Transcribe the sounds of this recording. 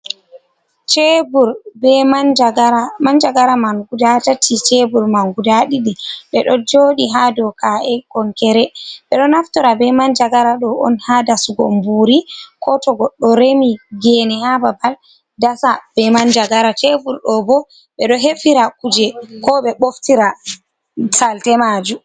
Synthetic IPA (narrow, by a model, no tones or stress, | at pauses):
t͡ʃebuɾbɛmand͡ʒaɡaɾamand͡ʒaɡaɾamanɡudatatʰit͡ʃebuɾmanɡudaɗiɗɛɓɛɗɔd͡ʒoɗiɦadɔkʰaʔɛɡɔŋkɛɾɛɓɛɗɔnaftɔɾabɛmand͡ʒaɡaɾaɗɔɔ̰nhadasuɡɔ̰mbuɾikʰɔtɔɡɔɗːɔɾemiɡɛnɛhababal | dasab̥ɛmand͡ʒaɡaɾat͡ʃebuɾɗɔbɔ | ɓɛɗɔɦefiɾakud͡ʒɛkɔɓɛɓoftiɾa | saltɛmad͡ʒu